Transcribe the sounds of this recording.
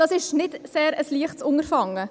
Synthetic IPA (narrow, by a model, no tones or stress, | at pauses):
d̥ɑsɪʃnɪdseːɾəsliəχtsʊŋərfɑŋːə